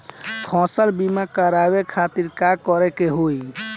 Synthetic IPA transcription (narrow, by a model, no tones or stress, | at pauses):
kʰɔ̃səlbimakəɾabekʰat̪iɾkakɔɾɛkeɦoj